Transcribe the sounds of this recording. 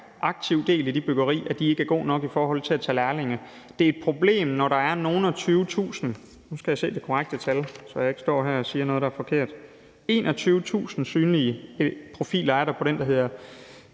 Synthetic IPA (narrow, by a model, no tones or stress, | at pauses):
ʔɑ̈ɡ̥̚t͡sʰiʊd̥e̝̰ːlæd̥ib̥øɡ̥ɐʁḭːæd̥ie̝ɡ̥əæɐɡ̥o̝̰ːnɒ̽ɡ̥ifɒːɦɒ̽l̰t͡sʰe̝læt͡sʰɛlæɐle̝ŋə | d̥e̝æɐe̝d̥̚pʰʁo̝b̥le̝̰ːmnɒɾ̥ɑ̈æɐno̝ːn̩ɒt͡sʰyːʊt͡sʰṵːsn̩ | nusɡ̥æjäse̝̰ːd̥e̝kʰoʁaɡ̥̚d̥ət͡sʰælsɒ̽jäe̝ɡ̥əsd̥ɒ̰ːɦæɐ̰ɒ̽siːɐnɔ̽ːð̞ˠd̥ɑæɐfɒ̽kʰe̝̰ɐ̰d̥ | e̝̰ːnʔɒ̽t͡sʰyːʊət͡sʰṵːsn̩syːnliəpʰʁo̝fḭːlɐæɐɾ̥ɑ̈pʰɒ̽ɾ̥end̥ɑ̈ɦe̝ð̰ˠɐ